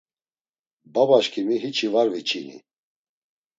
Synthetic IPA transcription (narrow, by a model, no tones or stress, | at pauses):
babaʃkʰimiɦit͡ʃʰivaɾvit͡ʃʰinḭ